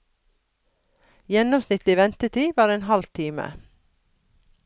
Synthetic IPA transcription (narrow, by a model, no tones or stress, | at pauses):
jɛnɔmsnɪt̪lɪʋɛnt̪əʈʰiːʋɑːɾeːnhɑlt̪ʰiːmə̰